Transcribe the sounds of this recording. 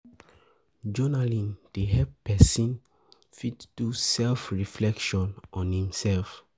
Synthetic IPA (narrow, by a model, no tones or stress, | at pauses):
d͡ʒɔnalĩnd̥eɦɛpɛsĩn | fitd̥usɛlfɹiflɛkʃɔ̃nʔɔ̃nhĩmsɛlf